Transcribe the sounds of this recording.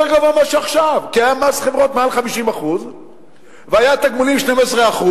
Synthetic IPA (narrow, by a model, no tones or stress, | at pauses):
eɡavomaʃeaχʃavkiajamasχevʁo̞t̪mealχamiʃimaχuz | veajat̪aɡmulimʃnemesʁeaχu